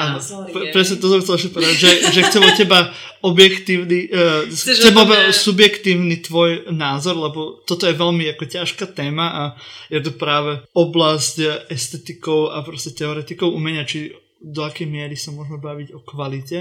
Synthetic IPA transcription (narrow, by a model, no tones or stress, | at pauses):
ʔaːnɔ | pɛpɾɛsɲɛt̪ɔs̬ɔmxt͡sɛlɛʃcɛpɔʋɛd̪aɟʒɛʒɛxt͡sɛlɔcɛba | ɔbjɛkt̪iːʊni | t͡sɛbaɔbɛsubjɛkt̪iːʊnit̪ʋɔjnaːzɔɾlɛbɔt̪ɔt̪ɔjɛʋɛlmiakɔcaʃkat̪ɛːmaʔajɛt̪upɾaːʋɛɔblascɛst̪ɛt̪ikɔʊapɾɔscɛt̪ɛɔɾɛt̪ikɔʊʔumɛɲat͡ʃi | d̪ɔakɛjmɪɛɾisamʊɔʒmɛbaʋiɟɔkʋalicɛ